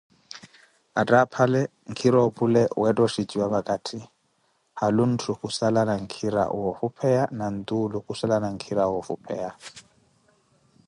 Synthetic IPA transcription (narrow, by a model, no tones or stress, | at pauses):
atʼapʰalɛ | ŋ̩kʰiɾɔpʼulɛwɛtʼɔʃid͡ʒiwaβakʼatʰi | halun̩tʰukusalanaŋ̩kʰiɾa̰wɔfupʰɛjanan̩d̪ulukusalanaŋ̩kʰiɾawɔfupʰɛ̰ja